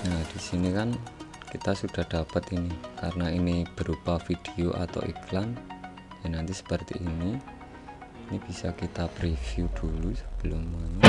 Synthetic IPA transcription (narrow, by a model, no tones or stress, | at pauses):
nad̥isinikan | kit̪asuɖ̥a̤hɖ̥a̤pət̪inikaɾənainib̥əɾupafid̥eoʔa̰t̪a̰wḭklan | janant̪isə̥pərt̪ḭʔːni | inib̥isakit̪apɾifijud̪̥ulusə̥b̥əlʊma